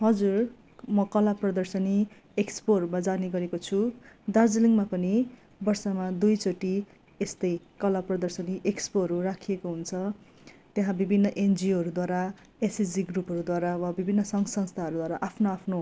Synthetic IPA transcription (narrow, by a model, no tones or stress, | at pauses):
ɦʌd͡zur | mʌkʌlaprʌd̪ʌrsʌni | ekspoʌrɾumad͡zaniɡʌɾekot͡sʰud̪ard͡zliŋmapʌni | bʌrsʌmad̪ujt͡soʈi | est̪ʌj | kʌlaprʌd̪ʌrsʌniʔekspoɦʌɾurakʰijekoɦunt͡sʰʌ | t̪jeɦãbibʱinːʌʔend͡zioɦʌɾud̪waɾa | esid͡ziɡrupɦʌɾud̪waɾawabibʱinːʌsʌŋsʌŋst̪ʰaɦʌɾud̪waɾaʔapʰnoapʰno